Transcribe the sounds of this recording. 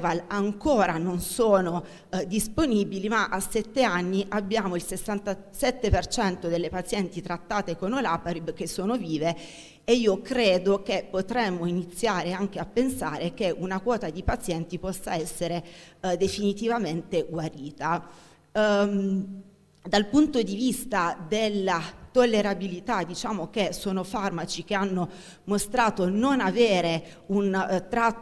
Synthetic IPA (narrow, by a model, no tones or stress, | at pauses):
valaŋkoːɾanonsoːno | d̪isponibilimaʔasːɛt̪ːeanːiʔabːjaːmoilsesːant̪a | sɛt̪ːepert͡ʃɛnt̪od̪elːepat̪sjɛnt̪it̪ɾat̪ːaːt̪ekonolapaɾibk̟esːoːnoviːve | eiːokɾeːd̪ok̟epːot̪ɾɛmːoinit̪sːjaːɾeaŋk̟eapːensaːɾek̟eʔunakwɔːt̪ad̪ipat̪sjɛnt̪ipɔsːaɛsːeɾed̪efinit̪ivament̪eɡwaɾiːt̪a | d̪alpunt̪od̪ivist̪ad̪elːat̪olːeɾabilit̪ad̪it͡ʃaːmok̟esoːnofarmat͡ʃik̟eanːo | most̪ɾaːt̪ononaveːɾe | unt̪ɾa